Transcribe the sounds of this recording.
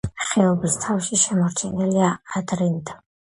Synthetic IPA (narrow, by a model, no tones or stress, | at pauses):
χɛɔbist̪ʰafʃiʃɛmɔɾt͡ʃʰɛniliaːd̪ɾind̪